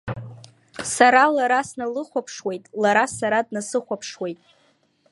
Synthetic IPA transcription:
saɾalaɾasnalɨχʷapʰʂwe̞jtʼlaɾasaɾad̚nasɨχʷapʰʂwe̞jtʼ

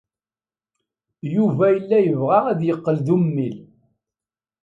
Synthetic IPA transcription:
juvæjəlːæjəvʁaæðjəqːəlðumːil

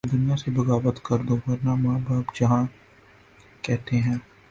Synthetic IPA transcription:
d̪ʊnijasebɐɡaːbət̪kɐɾd̪oʋɐɾnamaːbaːbd͡ʒɐɦã | kɛɦt̪eɦɛ̃ː

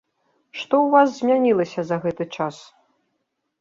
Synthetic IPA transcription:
ʂt̪ɔwvas̬zʲmʲanʲilˠɐsʲɐzɐɣɛt̪ɨt͡ʂas

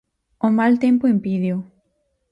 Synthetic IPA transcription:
omalt̪empʊimpiðju

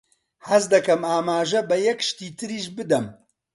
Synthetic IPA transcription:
hɐzd̪ɐkɐmaːmaːʒɐbɐjɛkʃt̪iːt̪ʰɨɾiːʒbɨd̪ɐm

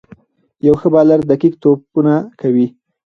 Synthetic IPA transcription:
jawxəbɑlaɾd̪akik̚t̪opunakʰawi

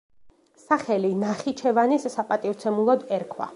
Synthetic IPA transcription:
saχɛlinaχit͡ʃʰɛvanissapʼat̪ʼivt̪sʰɛmulˠɔd̪ɛɾkʰwa̰

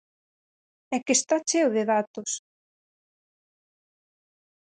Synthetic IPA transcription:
ɛkɪst̪at͡ʃewðɪðat̪os

